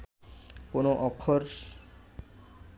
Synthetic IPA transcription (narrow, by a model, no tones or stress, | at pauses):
konoʔɔkʰːoɾ